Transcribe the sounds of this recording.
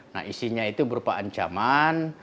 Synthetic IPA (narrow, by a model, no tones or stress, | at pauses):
na̰hisiɲait̪ubəɾupaaɲt͡ʃa̰man